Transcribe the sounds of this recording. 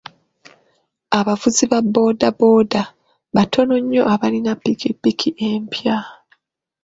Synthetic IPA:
aβavuziβabːo̞ːdabo̞ːda | βatʰo̞no̞ɲːo̞ʔaβalinapːikipːikʰiʔeːmpʰja

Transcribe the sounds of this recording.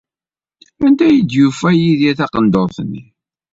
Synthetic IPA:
ænd̪æjid̪jufæjiðiθɑqənd̪oɾˤθənːi

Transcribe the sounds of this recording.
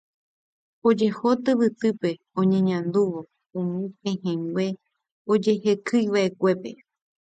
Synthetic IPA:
od͡ʒe̞hot̪ɨβɨt̪ɨpe̞ | õɲẽɲãnd̪uʋo̞ | ũmĩpẽhẽŋɡwʷe̞ | od͡ʒe̞he̞kɨjʋaʔe̞kʷe̞pe̞̰

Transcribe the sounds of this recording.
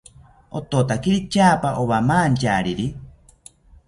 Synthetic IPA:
o̰t̪ot̪akiɾit͡ʃaːpaʔoβamaːnt͡ʃaːɾiɾi

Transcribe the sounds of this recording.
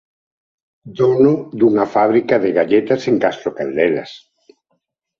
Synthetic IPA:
d̪onʊd̪uŋafaβɾikaðeɣaʎet̪aseŋkast̪ɾokand̪ɛla̰s

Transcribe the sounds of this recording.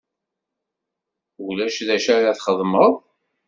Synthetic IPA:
ulæʃðæʃaɾaθχəðˤməðˤ

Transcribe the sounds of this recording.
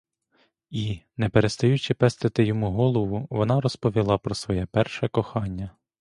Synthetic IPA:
inɛpeɾest̪ɔjut͡ʃɪpɛst̪ɪt̪ɪjɔmuɦɔlˠɔʋʊʋɔnɑɾɔspɔʋʲilˠɑpɾɔsʋɔjɛpɛrʃɛkɔxɑnʲːɐ

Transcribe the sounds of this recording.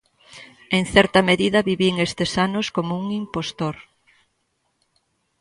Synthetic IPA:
eŋθɛɾt̪ɐmeðiðɐβiβiŋest̪esanoskomouŋimpost̪oɾ

